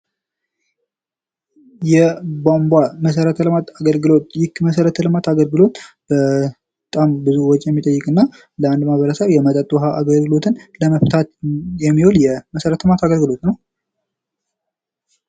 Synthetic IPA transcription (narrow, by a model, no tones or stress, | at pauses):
jɛbombwaməs̬əɾət̪ʰəlɨmat̪aɡəlɡɨlo̞t̪̚jɪkːməsəɾət̪ʰəlɨmat̪aɡəlɡɨlo̞t̪b̥ə | t̪ʼambɨzuwɔt͡ʃʼjɛmːit̪ʼəjːɪkʼɨnːa | ləand̪mahβəɾəsəβjɛmət̪ʼət̪ʼːuɦaaɡəlɡɨlo̞t̪ʰɨnləməft̪ʰat̪jɛmːiholjɛməsəɾət̪ʰəlmat̪aɡəlɡɨlo̞t̪nəw